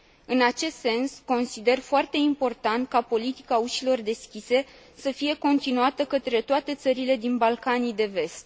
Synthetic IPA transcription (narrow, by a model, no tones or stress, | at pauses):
ɨnat͡ʃe̞st̪se̞nsko̞nsid̪e̞rfoart̪e̞impo̞rt̪ant̪̚kapo̞lit̪i̥kauʃilo̞rd̪e̞skʲise̞ | səfije̞ko̞nt̪inuat̪əkət̪ɾe̞t̪oat̪e̞t̪səɾile̞d̪inbalkanijd̪e̞ve̞st̪̚